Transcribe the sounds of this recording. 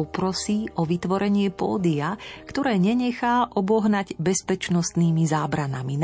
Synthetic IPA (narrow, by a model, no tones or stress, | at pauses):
ɔpɾɔsiːʔɔʋit̪ʋɔɾɛɲɪɛpɔ̰ːd̪iakt̪ɔɾɛːɲɛɲɛxaːʔɔbɔɦnaɟbɛspɛt͡ʃnɔst̪niːmizaːbɾana̰min